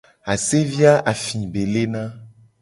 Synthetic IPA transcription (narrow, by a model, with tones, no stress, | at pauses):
a˨se˦vi˦a˦ʔa˨fĩ˨be˨le˦nã˦